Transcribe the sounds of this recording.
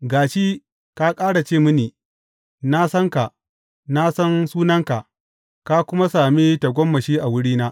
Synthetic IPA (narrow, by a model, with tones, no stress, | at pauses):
ɡaː˨ʃi˦ | ka˦kʼaː˦ɽa˨t͡ʃeː˦˨mʊ˦niː˨ | na˦sɐ˦ŋka˨ʔ | na˦sɐ˦nsuː˦nɐ˦ŋka˨ʔ | ka˦kʷʊ˦ma˦saː˨miː˦ta˨ɡʷɔ˦mːɐ˨ʃiː˦ʔa˨wʊ˦ɽiː˦naː˦